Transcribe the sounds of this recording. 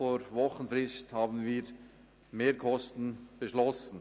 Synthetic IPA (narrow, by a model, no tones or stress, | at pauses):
foɾvɔχənfrɪsthaːbən̩viːɾ | meːɾkʰɔstn̩b̥əʃlɔsn̩